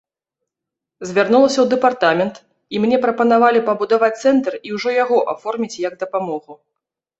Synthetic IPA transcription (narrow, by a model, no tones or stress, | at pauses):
zʲvʲarnulˠɐsʲɐwd̪ɛpart̪amʲɛnt̪ | imnʲɛpɾɐpɐn̪avalʲipɐbud̪avat͡sʲt̪sɛnt̪ɐriwʐɔjaɣɔʔafɔrmʲit͡sʲjɐɡ̚d̪ɐpamɔɣu